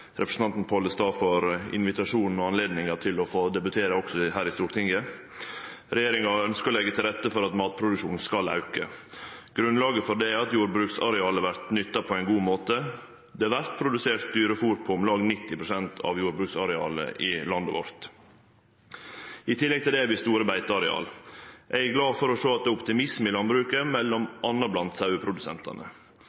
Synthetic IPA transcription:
ɾɛpɾəsn̩ɑnt̪n̩pʰɔləst̪ɑːfɔɾɪ̰nʋɪt̪ɑʂuːnn̩ɔɑnleːd̪nɪŋɑɾt̪ʰɪlɔfoːd̪ɛbʉt̪ʰeːɾəɔksɔhæːɾɪst̪uːɾt̪ʰɪŋɡə | ɾɛjeːɾɪŋɑœnskəɔlɛɡːət̪ʰɪlɾɛt̪ːəfɔɾɑt̪mɑːt̪̚pʰɾʊd̪ʉʂuːn̩skɑlɑ̰ʉkə̰ɡ̥ɾʉnlɑːɡəfɔd̪ɛæɾɑt̪juːɾbɾʉːksɑ̰ɾɛɑːləʋæɾt̪nʏt̪ːɑpʰɔɛɪnɡuːmoːt̪ə | d̪ɛæʋæɾt̪̚pʰɾʊd̪ʉseːɾt̪̚d̪yːɾəɔfuɾt̪̚pʰɔʊmlɑːɡnɪt̪ːɪpʰɾʊsɛnt̪ʰɑ̰ʋjuːɾbɾʉːksɑɾɛɑ̰ːlə̰ʔɪlɑnd̪oʋɔ̰ɾt̪ | ɪt̪ʰɪlːɛɡ̚t̪ʰɪld̪ɛʋɪst̪uːɾəbæɪt̪əɑɾɛɑ̰ːlʔæɪɡlɑːfɔɾɔʂoːɑt̪̚d̪ɛːʊpt̪ɪmɪsmɪlɑnbɾʉːkəmɛlːɔmʔɑnːɑblɑnt̪sɑʉəpʰɾʊd̪ʉsɛ̰nt̪ʰɑ̰nə̰

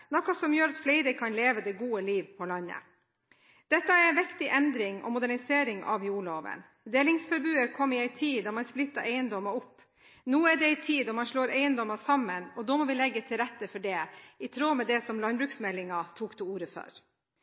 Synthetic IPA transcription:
nɔkːɑsɔmjøːɾɑt̪fleɪɾəkʰɑnleːʋəd̪ɛɡuːəliːʋpʰɔlɑnːə̰ | d̪̥ɛt̪ːəæɾɛɪnʋɪkt̪ɪʔɛnd̪ɾɪŋɔ̰mʊd̪æɳɪseːɾɪŋɑ̰ʋjuːɭoːʋə̰n | d̪eːlɪŋsfɔɾbʉːəkʰɔmːəɾɪæɪt̪ʰiːd̪ɑːmɑnsplɪt̪ːəɾʔæɪənd̪ɔməɾʊpː | nuːæɖɛɛɪt̪ʰiːd̪ɔmɑnʂɭoːɾæɪənd̪ɔmɑsɑmːənɔd̪oːmɔːʋɪlɛɡːət̪ʰɪlɾɛt̪ːəfɔɖɛɪt̪ʰɾoːmɛd̪ɛsɔmlɑnbɾʉːksmɛlːɪŋɑt̪ʰuːkt̪ʰuːuːɾəfœ̰ɾ

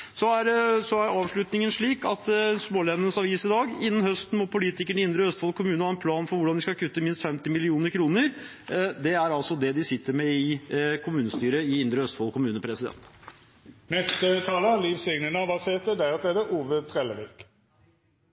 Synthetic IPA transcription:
sɔæɾsɔæɾɑːʋʂɭʉt̪nɪŋənʂɭiːkɑt̪smoːlɛnənəsɑʋiːsɪd̪ɑːɡɪnːən̩hœst̪n̩mɔpʊliːt̪ɪkəɳɪɪnd̪ɾəœst̪fɑlkʰʊmʉːnəhɑːɛnpʰlɑːnfɔɾʋʊɖɑnd̪ɪskɑkʰʉt̪ːəmɪnst̪fɛmt̪ɪmɪlɪuːnəɾkʰɾuːnəɾ | d̪ɛæɾɑlsɔd̪ɛd̪ɪsɪt̪ːəɾmɛɪkʰʊmʉːnəst̪yːɾəɪɪnd̪ɾəœst̪fɑlkʰʊmʉːnəpʰɾɛsɪd̪ɛ̰nt̪ | nɛst̪ət̪ʰɑːləliːfsɛɡnənəbɑseːʁt̪əd̪æʁət̪led̪əʔuːʋət̪ʰʁɛləʋik

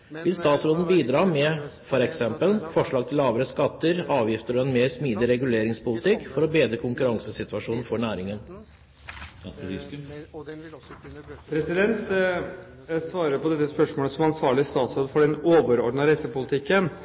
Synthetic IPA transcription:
ʋɪlst̪ɑːt̪sɾoːd̪n̩biːd̪ɾɑːmɛfɔɾɛksɛmpəlfɔʂɭɑːɡ̚t̪ʰɪlːɑːʋəɾəskɑt̪ːəɾɑːʋjɪft̪əɾɔɛnmeːɾsmiːd̪ɪɾɛɡʉleːɾɪŋspʊlɪt̪ɪkːfɔɾɔbeːd̪ɾəkʰʊŋkʉɾɑŋsəsɪt̪ʋɑʂuːn̩fɔɳæːɾɪŋən | pʰɾɛsɪd̪ɛnt̪ | sʋɑːɾəɾpɔd̪ɛt̪ːəspœʂmoːləsɔmɑnsʋɑːɭɪəst̪ɑːt̪sɾoːd̪fɔɖɛnoːʋəɾɔɖɳɑɾɛsəpʊlɪt̪ʰɪkːən

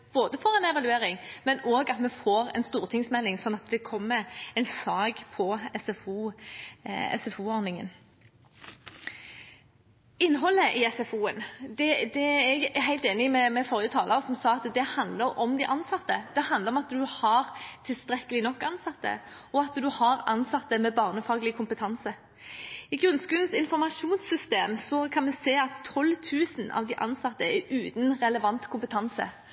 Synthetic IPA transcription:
b̥oːd̪əfɔɾɛnɛʋɑlʉeːɾɪŋmɛnoːɡɑt̪mɛfoːɾɛ̰ɪnst̪uːʁt̪ʰɪŋsmɛlːɪŋsɔnːɑt̪d̪ɛkʰɔmːəɛnsɑːɡpʰɔɛsɛfuː | ɛ̰sɛfuːɔɾnɪŋə̰n | ɪnːɦɔlːəʔɪɛsɛfuːənd̪ɛd̪ɛɛɡɦæɪlt̪eːnɪmɛmɛfɔɾjət̪ʰɑːlʔəsɔmsɑːɑt̪d̪ɛhɑnd̪ləɾɔmd̪æɪʔɑnsɑt̪ːəd̪̥ɛhɑnd̪ləɾɔmɑt̪d̪ʉhɑɾt̪ʰɪlst̪ɾɛkːəlɪnɔkːɑnsɑt̪ːə̰ɔɑt̪d̪ʉhɑɾɑ̰nsɑt̪ːəmɛbɑːʁnəfɑːɡəlɪkʰʊmpət̪ʰɑnsə | ɪɡɾʁʉnskʉːlənsɪnfɔʁmɑʂuːnsːʏst̪eːmsɔkʰɑnmɛseːɑt̪ʰːɔlːt̪ʰʉːsnɑ̰ʋd̪æɪʔɑ̰nsɑt̪ːəɛʉːt̪nʁɛləʋɑnt̪kʰʊmpət̪ʰɑnsə̰

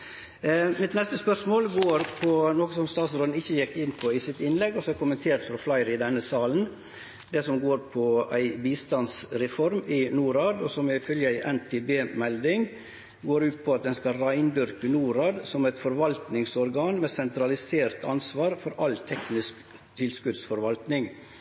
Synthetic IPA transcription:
mɪt̪nɛst̪əspœʂmoːlɡoːɾpʰɔnoːkəsɔmst̪ɑːt̪sɾoːn̩ɪçːəjɛkːɪnːpʰɔɪsɪt̪ɪnlɛɡːɔsɔɛɾkʊmənt̪ʰeːɾt̪fɾɑflɑɪɾɪd̪ɛnːəsɑːln̩ | d̪ɛsɔmɡoːɾpʰɔæɪbiːst̪ɑnsɾɛfɔɾmɪnuːɾɑːd̪ɔsɔmæɪfœljəæɪʔɛnt̪ʰeːbeːmɛld̪ɪŋ | ɡoːɾʉːt̪̚pʰɔɑt̪̚d̪ɛnskɑɾæɪnd̪ʏɾkənuːɾɑːd̪sɔmæɪt̪fɔɾʋɑlt̪nɪŋsɔɾɡɑːnmɛsɛnt̪ɾɑlɪseːɾt̪ɑ̰nsʋɑːɾfɔɾɑlt̪ʰɛknɪsk | t̪ʰɪlskʉd̪sfɔɾʋɑlt̪nɪŋ

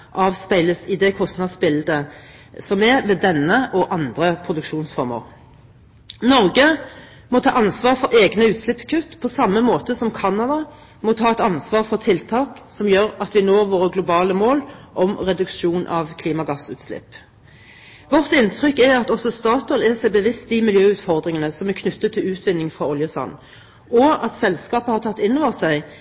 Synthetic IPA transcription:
ʔɑːʋspæɪləsɪd̪ɛkʰɔst̪nɑd̪sbɪld̪ə | sɔmɛʋeːd̪ɛnːəʔɔʔɑnd̪ʁəpʰʁʊd̪ʉkʂuːnsfɔɾmə̰ʁ | nɔʁɡə | mɔt̪ʰɑːʔɑnsʋɑːʁfɔɾeːɡnəʉːt̪slɪpskʰʉt̪ːpʰɔsɑmːəmoːt̪əsɔmkʰɑnɑd̪ɑ | mɔt̪ʰɑːɛt̪ɑnsʋɑːʁfɔʁt̪ʰɪlt̪ʰɑːksɔmjøːɾɑt̪ʋɪnoːʁʋoːɾəɡlʊbɑːləmoːlʔɔmʁɛd̪ʉkʂuːnʔɑʋkʰliːmɑɡɑsʉ̰ːt̪slɪ̰pː | ʋɔʁt̪ɪnt̪ʰʁʏkːɛɾɑt̪ɔsɔst̪ɑːt̪ɔlɛsæɪbəʋɪst̪d̪ɪmɪljøːʉːt̪fɔʁd̪ʁɪŋənəsɔmækʰnʉt̪ːət̪ʰːɪlʉːt̪ʋɪnːɪŋfʁɑʊljəsɑ̰n | ɔɑt̪sɛlskɑːpəhɑʁt̪ʰɑt̪ːɪnːɔʋɔʁsæɪ

